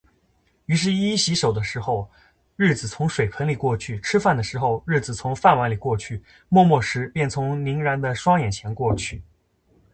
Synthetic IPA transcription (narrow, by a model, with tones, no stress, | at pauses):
y˧˥ʂ̬ɻ̩˥˧i˥ɕi˧˥ʂo˨˩ʊd̪ə˦ʂɻ̩˧˥xo˥˧ʊ | ɻɻ̩˥˩d͡zɹ̩˨˩t͡sʰʊ˧˥ŋʂwe˨˩ɪpʰə˧˥nli˨˩kwɔ˥˧t͡ɕʰy˥˩ʈ͡ʂʰɻ̩˥fa˥˩nd̪ə˩ʂɻ̩˧˥xo˥˧ʊɻɻ̩˥˩d͡zɹ̩˨˩t͡sʰʊ˧˥ŋfa˥˩nwa˧˥nli˨˩kwɔ˥˧t͡ɕʰy˥˩ | mwɔ˥˧mwɔ˥˩ʂɻ̩˧˥pjɛ˥˩nt͡sʰʊ˧˥ŋli˧˥ŋɻa˧˥nd̪ə˧ʂwɑ˥ŋjɛ˨˩nt͡ɕʰjɛ˧˥nkwɔ˥˧t͡ɕʰy˥˩